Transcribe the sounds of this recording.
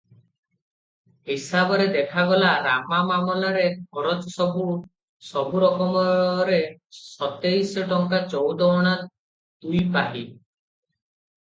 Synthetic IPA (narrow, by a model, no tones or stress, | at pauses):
ɦisabɔɾed̪ekʰaɡɔlaɾamamamɔlaɾekʰɔɾɔt͡ʃɔsɔbʱu | sɔbʱuɾɔkɔmɔɾesɔt̪ejsɔʈɔŋkat͡ʃɔwd̪ɔɽ̃a | t̪ujpaɦḭ